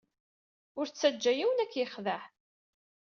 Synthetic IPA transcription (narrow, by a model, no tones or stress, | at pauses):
ʊɾt͡sːæd͡ʒːæjiwənækːjəχðəħ